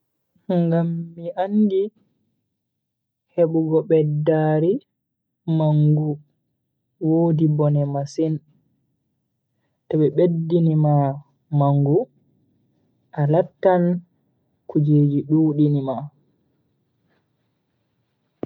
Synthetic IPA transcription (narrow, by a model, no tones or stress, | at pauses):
ŋɡamːiaŋɡi | heɓuɡɔɓɛdaɾi | maŋɡu | woːdibɔnɛmasin | taɓɛɓedːinima | maŋɡu | ʔalatːan | kud͡ʒeːd͡ʒiɗuːɗinima